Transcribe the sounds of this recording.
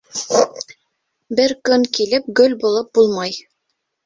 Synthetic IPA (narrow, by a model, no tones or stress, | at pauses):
bɘɾkɵŋkilɘp̚ɡɵlʲbulˠɤp̚bulˠmɑj